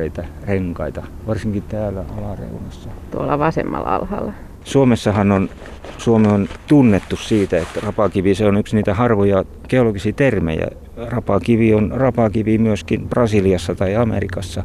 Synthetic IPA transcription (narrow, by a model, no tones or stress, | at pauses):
eit̪æreŋkɑit̪ɑ | ʋɑrsiŋkit̪æːlːˑæɑlɑrḛunɑsːɑt̪uolɑʋɑsḛmːɑ̰lɑ̰lhɑ̰lːɑ | suomesːɑhɑnon | suomeont̪unːet̪ːussiːt̪æet̪rɑpɑkiʋiseonyksniːt̪æhɑrʋojɑ | keoloɡisiːt̪ermḛjɑ̰ | rɑpɑkiʋionrɑpɑkiʋimyøskinprɑsiliɑsːɑt̪ɑiɑmḛrikɑsːɑ